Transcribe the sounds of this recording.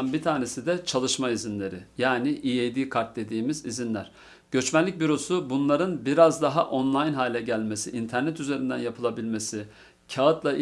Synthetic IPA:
nbit̪ʰaːne̞sid̪ɛt͡ʃʰalˠɯʃmaizinlʲe̞ɾɪjaːniʔijejd̪iːkʰaɾt̪̚d̪e̞d̪iːmizizinlʲæ̰ɾ̥ | ɟ̥ø̞t͡ʃmænlʲic̚ʲbyɾo̞subunlˠaɾɯnbiɾazd̪aɦaʔo̞nlˠajnɦaːlʲɛɟælʲme̞sḭʔint̪ʰæɾnɛt̪ʰyze̞ɾind̪ænjapʰɯlˠabilʲme̞si | cʰaːɯt̪lˠaʔ

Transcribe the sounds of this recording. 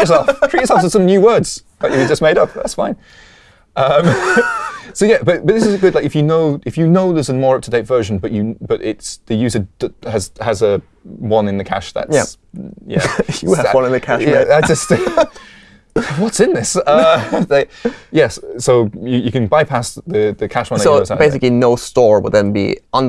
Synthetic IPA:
ə˞sɛlˠfʰɹ̥it͡ʃəsɛlˠftəsʌ̃mnjʉwɜ˞dz̥baɪt͡ʃɨbid͡ʒʌs̚meɪɾʌp̚ðæ̰tsfãɪ̃n | ʔʌ̃m | soʊjæb̥ʌt̚bʌt̪ðɪsɪzɡʊdlaɪkɨfjɨnoʊɪfjɨnoʊðəzə̃nmɔɹʌp̚tʰədeɪtv̥ɜ˞ʒə̃n̩bʌt͡ʃɨb̥ʌɾɪ̰tsðɨjʉzəɨzəzə | wʌ̃nɨ̃nðɨkʰa̰ʃðə̰tæ | jæ̰ | wʌ̃nɪ̃nɨkʰaæaʒ̥ʌst | wʌtsɨ̃nðɪsʌðejæssoʊjɨjɨkɨ̃nbaɪpʰasðɨðɨkʰaʃwʌ̃nðsoʊsbeɪs̬ɪklinoʊstɔɹwə̰d̪ðə̃nbḭʌ̃n

